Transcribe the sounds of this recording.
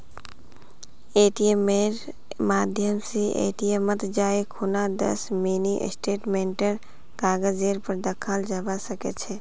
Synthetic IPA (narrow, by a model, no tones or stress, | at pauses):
eːʈiemeɾ | maːd̪ʱjəmsiʔḛʈijemət̪d͡ʒaːekʰunad̪ə̰sminiʔsʈeːʈmenʈəɾ | kaːɡəd͡ʒeɾpəɾd̪əkʰald͡ʒəbasəkḛt͡ʃʰɛ